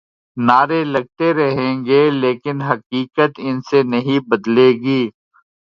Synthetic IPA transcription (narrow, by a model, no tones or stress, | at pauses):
naːɾelɐɡ̚t̪eɾɐɦẽːŋɡeːleːkɪnɦɐkiːkət̪ɪnsenɐɦĩbɐd̪leːɡiː